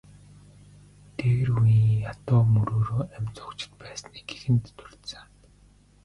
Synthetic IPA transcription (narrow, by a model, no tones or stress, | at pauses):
t̪eɣ̆rujiŋjat̪ʊːmɵɾoːɾoːæmʲt͡sʊ̥kt͡ɕɪ̥̆t̪pæːsniːɡ̥exɘ̆nt̪ːɵr̥t̪săŋ